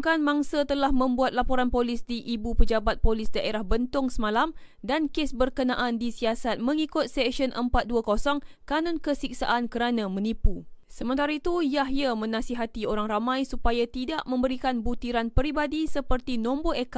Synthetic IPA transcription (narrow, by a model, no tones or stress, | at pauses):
kanmaŋsat̪əlahmə̃mbuat̪̚lapoɾanpolɪsdiʔibupəd͡ʒabat̪̚polɪsdaʔeɾahbənt̪ʊŋsəmãlam | dankesbərkənã̰ʔandisiasat̪̚mə̃ŋikʊt̪̚sɛkʃənʔəmpat̪̚duakosɔŋkanʊnkəsik̚sa̰ʔankəɾanãmə̃nipusəmənt̪aɾait̪ujaɦjamə̃nãsiɦat̪ioɾaŋramãjsupajat̪idaʔmə̃mbəɾikanbut̪iɾanpəɾibadisəpərt̪inɔ̃mboeka